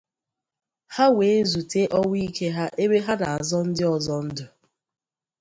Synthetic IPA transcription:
ha˦we˨e˦zu˨te˦ʔɔ˦wʷi˦ke˦ɦa˦ʔe˦βe˦ɦa˦na˨a˨zɔ˦n̩˦dɪ˦ɔ˨zɔ˦n̩˦dʊ˨

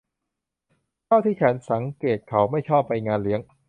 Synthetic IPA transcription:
k̪ʰaː˥˩wt̪ʰiː˥˩kʰɛː˩˥nsa˩˦ŋkeː˨˩t̪̚kʰa˩˦wma˥˩jt͡ɕʰɔː˥˩pːa˧jŋaː˧nli˦əŋ

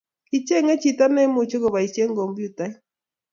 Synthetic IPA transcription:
i˨t͡ʃe˦ŋe˦t͡ʃi˨ta˦ne˦mu˨t͡ʃe˦ko˨βa˨i˨t͡ʃe˦ŋ˦ɡo˨mbju˦ta˦i˦

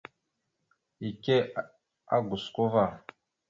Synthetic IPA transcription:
i˨ke˦ | a̰˦ɡu˨sko˦va˦˨

